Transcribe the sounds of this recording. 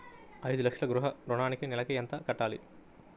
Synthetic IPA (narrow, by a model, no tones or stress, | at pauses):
ɐjd̪ulɐkʂɐɡɾuɦɐɾoɳaːnikenɛlɐkejɐnt̪ɐkɐʈːaːlḭ